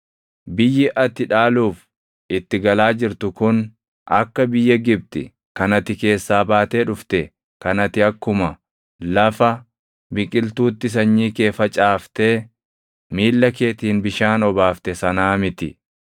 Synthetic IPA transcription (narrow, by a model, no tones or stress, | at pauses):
bɪjːɪʔɐt̪ɪᶑaːluːf | ɪt̪ːɪɡɐlaːd͡ʒɪɾt̪ʊkʊn | ɐ̰kːɐbɪjːɐɡɪb̚t̪ɪ | kɐnɐt̪ɪke̞ːsːaːbaːt̪eːᶑʊft̪ɛ | kɐnɐt̪ɪɐkːʊmɐ | lɐfɐ | bɪkʼɪlt̪uːt̪ːɪs̬ɐɲːiːke̞ːfɐt͡ʃʼaːft̪eː | miːlːɐke̞ːt̪iːnbɪʃaːnɔbaːft̪ɛsɐnaːmɪt̪ɪ